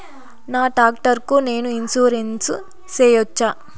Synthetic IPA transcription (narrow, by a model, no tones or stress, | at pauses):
naːʈaːk̚ʈɐɾkune̞ːnuinsuːɾens | t͡ʃeːjɔt͡ʃːaː